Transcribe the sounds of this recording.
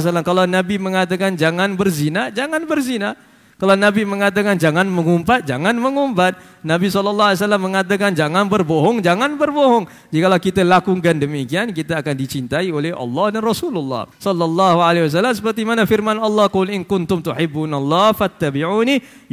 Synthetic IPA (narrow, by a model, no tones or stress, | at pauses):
s̬alamkalawnabiməŋat̪̬akand͡ʒaŋanbərzinad͡ʒaŋanbərzina | kalawnabiməŋat̪̬akand͡ʒaŋanməŋumpat̪̚d͡ʒa̰ŋanməŋumpat̪̚ | nabisɔlɔlːɑaljs̬alamːəŋat̪̬akand͡ʒaŋanbərboɦɔŋd͡ʒaŋanbərboɦɔŋ | d͡ʒikalakit̪alakuŋɡandəmikiankit̪aːkandit͡ʃint̪aiolɛɦʔɑ̰lːɑhdanrɔsululːɑ̰hsɔlːɔlːɑhualewas̬alːams̬ə̥pərt̪imanafirmanɑlːɑhkʊlʔɪnkʊnt̪ʊmt̪uħɪbːunalːɑfat̪ːabiʕuni